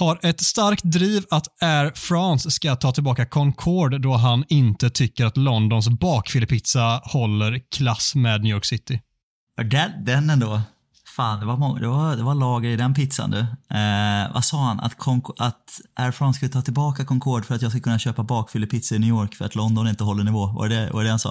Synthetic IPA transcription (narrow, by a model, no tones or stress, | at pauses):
haɾʔɛt̪st̪aɾkt̪̚d̪ɾiːvat̪æɾfɾɔnsːkat̪ʰɑːt̪ʰɪlbɑːkakʰɔŋkʰɔɖd̪ɔɦanɪnt̪ət̪ʰʏkːəɾat̪lɔnd̪ɔns̬bɑːkfɪləpɪt̪sahɔlːəɾkʰlasmeːd̪njjɔːɾksɪt̪ːɪ | ɑd̪ɛd̪ɛnːɛnd̪oː | faːnd̪ɛvamɔŋd̪ɛvaɾd̪ɛvalɑːɡəɾɪd̪ɛnpɪt̪sa̰nd̪ɵ | va̰sɑːhana̰t̪kʰɔŋkat̪ʔæɾfɾɑnskaɪt̪ʰɑːt̪ʰɪlbɑːkakʰɔŋkʰɔɖfœɾat̪jɑːɡskakʰɵnːaɕøːpabɑːkfɪləpʰɪt̪saɪnyːjoːɾkfœɾat̪lɔnd̪ɔnɪnt̪əɦɔlːəɳɪvoːva̰ɾɛd̪ɛva̰d̪ɛhansɑ̰ː